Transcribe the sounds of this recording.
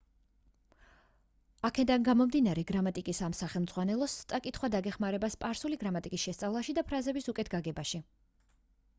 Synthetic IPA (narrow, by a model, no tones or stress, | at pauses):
akʰɛd̪anɡamɔmd̪inaɾɛɡɾamat̪ʼikʼisamsaχɛlˠmd̪z̥ʁwanɛlˠɔst̪sʼakʼit̪χwad̪aɡɛχmaɾɛbaspʼaɾsuliɡɾamat̪ʼikʼisʃɛst̪sʼavlˠaʃid̪apʰɾazɛbisukʼɛt̪ʰɡaɡɛbaʃi